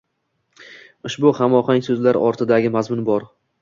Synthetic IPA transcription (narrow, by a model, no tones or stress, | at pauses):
ʊʃbʊhamɒχaŋʲsɵzlaɾɒɾt̪ʰɪd̪aɡʲɪmazmʊnbɒɾ